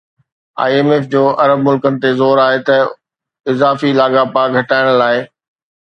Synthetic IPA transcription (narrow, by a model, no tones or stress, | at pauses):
a̰ːeːmeːfd͡ʑoːʔɐɾəb̚mʊlkənɪ̆t̪ezoːɾaːɦet̪ɐ | ɪzaːfilaːɠapaːɡʱɐʈaːɪɽ̃laːɪ